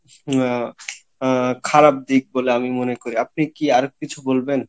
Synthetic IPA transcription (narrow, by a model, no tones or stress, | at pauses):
kʰaɾab̚d̪ik̚boleamimonekoɾiap̚nikiaɾkit͡ɕʰubolben